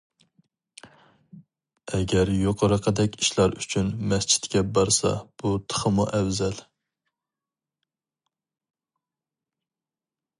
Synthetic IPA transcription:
ɛɡʲɛɾjoqʰəɾəqʰəd̪ɛkʲiʃlˠɑɾyt͡ʃʰynmɛst͡ʃʰi̥t̪kʲɛbɑɾsɑ̰b̥ut̪ʰə̥χʰəmuʔɛwzɛl

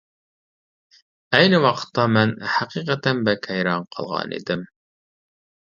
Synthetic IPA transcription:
æjnɘwɑqə̥t̪ːɑmænhæqiqæt̪ænbækhæjɾɑɴqʰɑ̰lˠʁɑ̰nḭd̪ɘm

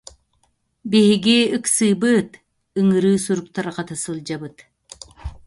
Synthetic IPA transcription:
beɦiɡiɯksɯːbɯt̪ | ɯŋɯɾɯːsuɾuk̚t̪aɾqɑt̪asɯlˠd͡ʒaβɯt̪

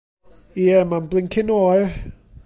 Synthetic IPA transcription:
iɛmanblˠɪŋkʰɪnoːj

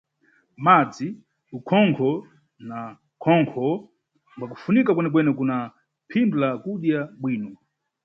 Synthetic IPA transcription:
mad͡zi | ukʰɔŋkʰɔ | na | kʰɔŋkʰɔ | mwak̬u̥funikakwɛnɛk̬wɛnɛkuna | pʰimblakuɗjaɓwiːnɔ

